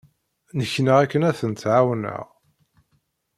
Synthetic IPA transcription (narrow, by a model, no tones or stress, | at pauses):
nəçːnəʁækːənæθənt̪ʕawnə̰ʁ